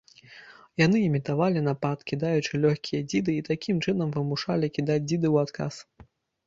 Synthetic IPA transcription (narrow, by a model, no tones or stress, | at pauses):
jan̪ɨimʲit̪avalʲinapat̪kʲid̪ajut͡ʂɨlʲɔxʲkʲʰijɐd͡zʲid̪ɨiːt̪akʲimt͡ʂɨnɐmvɨmuʂalʲikʲid̪ad͡zʲd͡zʲid̪ɨwat̪ka̰s